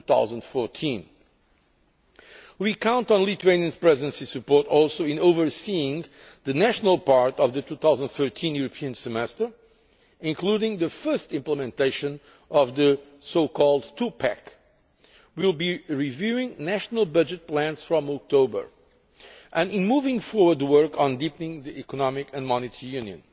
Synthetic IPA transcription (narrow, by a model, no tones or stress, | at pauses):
tuθa̰ʊzə̃ndfɔɹtʰĩn | wikãʊ̃ntn̩lit̪ueɪ̃niɨ̃nz̥pɹɛzə̃nsisɨpɔɹtɔlˠsoʊɪ̃noʊvə˞siɪ̃ŋ | ðɨnæʃnəlˠpɑɹtʌvðɨtuθaʊzə̃nd̪θɜ˞tʰĩnjuɹɨpʰiɨ̃nsɨmɛstə˞ | ɪ̃nkluɾɪ̃ŋðɨfɜ˞stɪ̃mpləmɛ̃nteɪʃɨ̃n | ʔʌvðə | soʊkʰɔlˠdtʰupʰæk | wilˠbiɹivjuɪ̃ŋnæʃnəlˠbʌd͡ʒɨt̚pʰlæ̃nsfɹɔ̃mɔk̚tʰoʊbə̰˞ | ʔɨ̃nɪ̃nmuvɪ̃ŋfɔɹwə˞d̚wɜ˞kn̩dipnɪ̃ŋðiʔɛkɔnɑmɪkɨ̃nmɑnɨtʰəɹijʉ̃njɨ̰̃n